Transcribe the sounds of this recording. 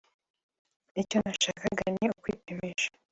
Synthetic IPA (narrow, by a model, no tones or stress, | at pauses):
ico̞naʃaːkaɡanɲeokwiːpimiʃḁ